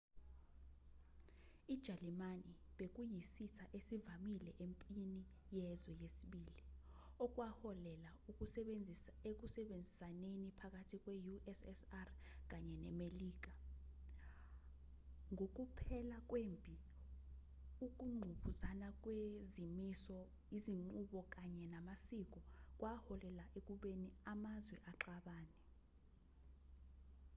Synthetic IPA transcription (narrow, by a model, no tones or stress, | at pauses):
id̥ʒ̥ʱalimaniɓek̬ʼujisitʰaʔesivamilɛʔempʼini | jɛzwɛjesiɓiːli | ɔk̬ʼwahɔlɛla | uk̬ʼud͡zʱek̬usɛɓend͡zʱisanenipʰak̬ʼatʰik̬ʼwɛjuʔɛsɛsar | k̬aɲɛnɛ̰meliːk̬a | ŋʱok̬upʰɛlak̬ʼwempʼi | uk̬ʼuŋ͡ǃʱuɓuzanak̬ʼwezimisɔ | iziŋ͡ǃuɓɔk̬aɲɛnamasik̬ɔk̬ʼwahɔlɛlaʔek̬ʼuɓeniamazwɛʔaǁaɓaːnɛ